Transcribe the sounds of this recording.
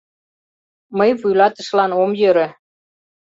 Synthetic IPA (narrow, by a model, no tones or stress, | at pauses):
məjvujlɑt̪ə̆ʃlɑnomjøɾĕ